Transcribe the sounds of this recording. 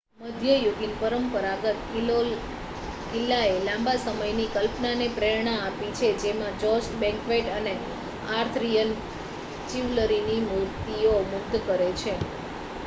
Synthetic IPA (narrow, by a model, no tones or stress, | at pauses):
məd̪ʱjəjuɡinpəɾəmpəɾaɡət̪̚o | kɪlːaelãmbasəməjnikəlpnanepɾeɾɳaapit͡ʃʰed͡ʒemãd͡ʒɔsʈbɛ̃ŋkʋeʈəne | aɾt̪ʰɾijən | t͡ʃiʋləɾinimuɾt̪iomʊɡ̚d̪kəɾet͡ʃʰe